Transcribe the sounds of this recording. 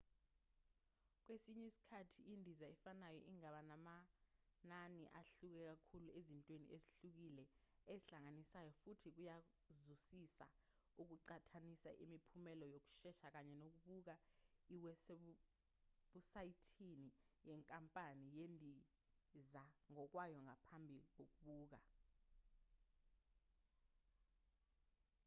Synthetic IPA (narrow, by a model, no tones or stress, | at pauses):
k̬wesiɲɛsi̥kʰatʰiindʱizaɛfanajɔʔiŋaɓanamananḭʔaɬuk̬ɛk̬akʰuluezintʼwenḭeziɬuk̬ilɛeiɬaŋanisajɔfutʰik̬uja | zusisa̰ | uk̬uǀatʰanisa̰ʔimipʰumɛlɔjok̬u̥ʃɛʃak̬aɲɛnok̬uɓuk̬aiwɛse | ɓusajitʰinijɛŋkʼampʼanijendʱi | zaŋɔk̬wajɔŋʱapʰambʱik̬ok̬uɓuːk̬a